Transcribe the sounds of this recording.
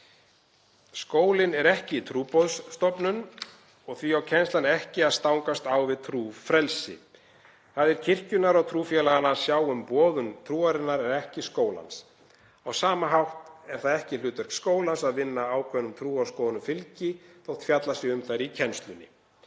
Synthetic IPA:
skoːwlɪnɛɾɛhcɪit̪ʰɾuːpɔðsːt̪ɔpnʏn | ɔɣθviawcʰɛnst̪lanɪɛhcɪaðst̪awŋkast̪awvɪðt̪ʰɾuːfɾɛlsɪ̰ | θaðɛɾ̥cʰɪr̥cʏnaɾawt̪ʰɾuːfjɛlaɣanaɾ̥sjaːwʏmpɔːðʏnt̪ʰɾuːaɾɪnːaɾɛɾɛhcɪskoːwla̰ns | awsaːmaɦawht̪ɛɾ̥θaðɛhcɪlʏːt̪ɛɾ̥kskoːwlansaðvɪnːaaːwkʰvɛnːʏmt̪ʰɾuːaskoːwðnʏfɪlcɪθowt̪ʰfjat̪lasjɛɣʏmθaɾicʰɛnst̪lʏnːɪ̰

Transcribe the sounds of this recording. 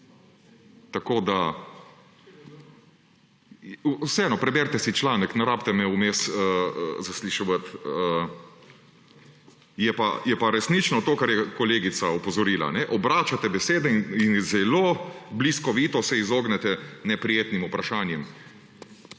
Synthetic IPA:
t̪akoːd̪a | usɛɛːnɔpɾɛbɛɾt̪ɛsit͡ʃlaːnəknaɾaːpt̪ɛmɛumesəzasliʃɔʋət̪ə | jɛpajɛpaɾɛsnit͡ʃnɔt̪oːkaɾjɛkɔleːɡit̪saɔpɔzɔɾiːla̰nɛʔɔbɾaːt͡ʃat̪ɛbɛseːd̪ɛininzɛlobliskɔʋiːt̪ɔsɛizoːɡnɛt̪ɛnɛpɾijeːt̪nimupɾaʃaːnjɛm

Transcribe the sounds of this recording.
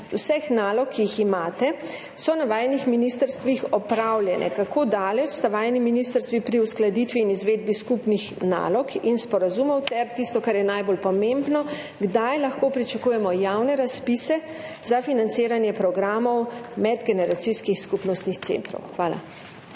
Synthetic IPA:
usɛxnaːlɔkʰːijiximaːt̪ɛ | sɔnaʋaːjnixminist̪əɾst̪ʋixɔpɾawljɛnʔɛ̰kakʰoːd̪aːlɛt͡ʃst̪aʋajniminist̪əɾst̪ʋipɾiusklad̪it̪ʋiːnizʋeːd̪̚biskupnixna̰lɔkʰinspɔɾazumɔwt̪ɛɾt̪ist̪ɔkaɾjɛnajbolpɔmembnɔ | ɡd̪ajlaxkoːpɾit͡ʃakujɛmɔjawnɛɾaspisɛ | zafinant̪seːɾanjɛpɾɔɡɾaːmɔwmɛd̪ɡɛnɛɾat̪siskixskupnɔst̪nixt̪sḛnt̪ɾɔ̰wxʋaːla̰

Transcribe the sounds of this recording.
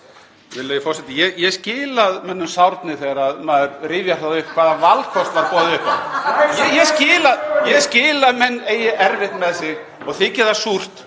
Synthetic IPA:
vɪlːajɪfɔɾ̥rsɛt̪ɪjɛjɛɣscɪːlaðmɛnːʏmsawɾt̪nɪθeɣaɾaðmaðɾrɪːvjaɾ̥θaðʏhkʰv̥aːðavalkʰɔst̪vaɾpɔːðʏhjɛjɛscɪːlaðjɛɣscɪːlamɛnːeːjɪʔɛɾvɪht̪nmɛðsɪɣ | ɔɣθɪcɛːðasur̥t̪

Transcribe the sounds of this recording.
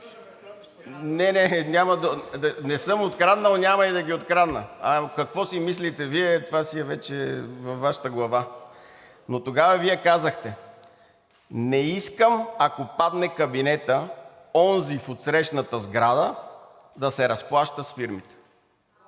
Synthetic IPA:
nɛnɛnʲaməd̪ɐnɛsɤmot̪kɾad̪nənʲamɐid̪ɐɡiot̪kɾad̪nəakɐkvɔsimislit̪ɛviɛt̪vasiɛvɛt͡ʃɛvɐfvːaʃə̥t̪əɡlˠɐva | not̪oɡavɐviɛkazəxt̪ɛ | nɛiskəmakopad̪nɛkɐbinɛt̪ə | ɔnzifot̪sɾɛʃnət̪əzɡɾad̪ə | d̪ɐsɛɾɐsplˠaʃt̪əsfiɾmit̪ɛ̥

